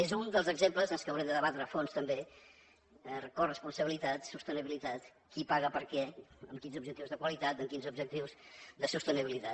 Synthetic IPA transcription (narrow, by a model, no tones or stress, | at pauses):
ezund̪əlˠzəɡzempləzənlˠskəwɾɛmd̪əðəβat̪ɾəfonst̪əmbe | korəspunsəβilit̪at̪sust̪əniβilit̪at̪ | kipaɣəpəɾkɛəmkinzub̚ʒək̚t̪iwzðəkwəlit̪at̪əmkinzub̚ʒək̚t̪iwzd̪əsust̪əniβilit̪a